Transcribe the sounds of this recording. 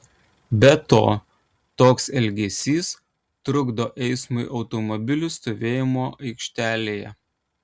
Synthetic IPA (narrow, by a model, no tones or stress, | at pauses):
bʲɛt̪o̰ː | t̪oːksɛlʲɡʲɛsʲiːs | t̪ɾʊɡd̪oːʔɛɪsmʊɪʔɒʊt̪ɔmɔbʲɪlʲʊst̪oːʋʲeːjɪmoːʔɐɪkʃʲt̪ʲæːlʲeːjɛ̰